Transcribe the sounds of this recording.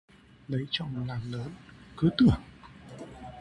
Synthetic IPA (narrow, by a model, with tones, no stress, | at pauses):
lə˨˦jt͡ɕɔ̰˧˨laː˨˩mləː˨˦nkɨ˨˦t̪ɨ˧˩əŋ